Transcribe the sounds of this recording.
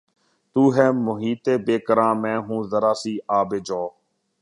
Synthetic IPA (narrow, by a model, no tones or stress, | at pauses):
t̪uːɦɛːmʊɦiːt̪eːbeːkəɾãːmɛ̃ːɦũːzəɾaːsiːaːbeːd͡ʒoː